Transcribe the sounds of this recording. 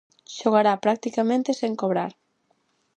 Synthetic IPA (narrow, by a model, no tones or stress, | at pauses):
ʃoɣaɾapɾak̚t̪ikamẽnt̪eseŋkoβɾa̰ɾ